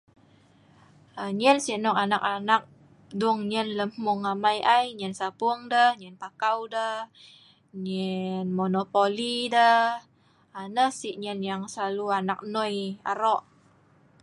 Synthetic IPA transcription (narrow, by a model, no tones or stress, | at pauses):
əɲənsiʔnɔkanak̚anak̚ | duŋɲənləmmɔŋːamajʔajɲənsapuŋdəhɲənpakawdə | ɲənmonopolidə | anəhsiʔɲənjaŋsəlaluanak̚noja̰ɾɔʔ